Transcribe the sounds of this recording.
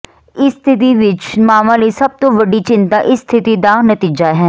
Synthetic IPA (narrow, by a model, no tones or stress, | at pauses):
ɪst̪ʰɪt̪̬iʋɪt͡ʃmaːmãliːsɐb̚t̪oʋəɖit͡ʃɪ̃nt̪aʔɪst̪ʰɪt̪id̪aːnət̪iːd͡ʒaːɦɛː